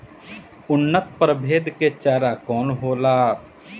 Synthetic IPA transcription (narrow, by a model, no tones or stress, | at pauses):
ʊnːət̪̚pɾəbʱeːd̪ket͡ʃaːɾakɔːnɦoːlaː